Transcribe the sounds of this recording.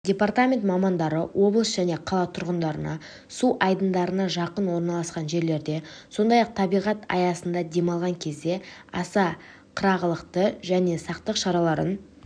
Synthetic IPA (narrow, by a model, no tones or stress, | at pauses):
dʲe̞part̪amʲe̞nt̪mɑmɑnd̪ɑɾəwʔo̞blˠəsʒ̥æne̞qʰɑlˠɑt̪ʰʊɾʁənd̪ɑɾənɑ̰ | suʔɑjd̪ənd̪ɑɾənɑʒɑqənwo̞ɾnɑlˠɑsqɑnʒe̞ɾle̞ɾd̪e̞so̞nd̪ɑjɑq̚t̪ʰɑbijʁɑt̪ɑ̰jɑsənd̪ɑd̪e̞mɑlˠʁɑŋkʲʰe̞zd̪e̞ɑsɑ | qʰəɾɑʁəlˠəqt̪əʒæne̞sɑqt̪əqʃɑɾɑlˠɑɾə̰n